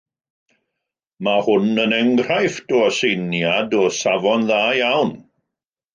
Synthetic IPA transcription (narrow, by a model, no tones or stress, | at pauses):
mahʊnənɛŋɡr̥ajfdɔsejnjadɔsavɔnðaːjawn